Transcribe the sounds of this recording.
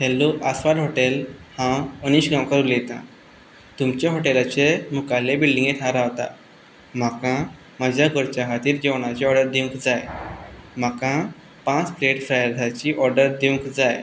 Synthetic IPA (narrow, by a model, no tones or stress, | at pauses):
t̪ʰelːuʔasʋalɦoʈelhãəniɕɡãmkəɾulet̪ã̰ | t̪umt͡ɕaɦoʈelat͡ɕemukalebilɖĩŋɡet̪ʰɦãɾaʋt̪a̰ | m̤akã | məd͡ʑʱjaɡəɾt͡ɕaɦat̪iːɾd͡ʑeʋɳ̃at͡ɕeɔɾɖəɾd̪ikʰd͡zaj | m̤akã | pãt͡spɾeʈfɾajəɾd̪at͡ɕiːʔɔɾɖəɾd̪iwkʰd͡zaj